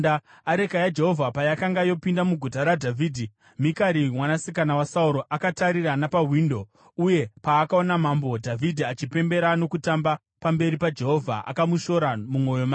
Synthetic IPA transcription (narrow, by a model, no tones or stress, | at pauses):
a | aɾe̞kajad͡ʒe̞ɦo̞vʱapajakaŋɡajo̞pindamuɡʱutaɾadʱavʱiːdʱi | mikaɾimwanasikanawasauɾo̞ʔakataɾiranapawindo̞ | uje̞paːkao̞namambo̞dʱavʱidʱiat͡ʃipe̞mbe̞ɾano̞kutamba | pambe̞ɾipad͡ʒe̞ɦo̞vʱaʔa̰kamuʃo̞ɾamumo̞jo̞maː